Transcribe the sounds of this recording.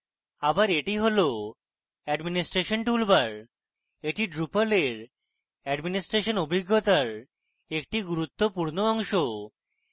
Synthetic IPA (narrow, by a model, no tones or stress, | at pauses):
abaɾeʈiɦolo | ɛɖminisʈɾeʃonʈulbaɾ | eʈiɖɾupoleɾ | ɛɖminisʈɾeʃonobʱiɡːot̪aɾ | ek̚ʈiɡuɾut̪ːopuɾnoɔŋʃo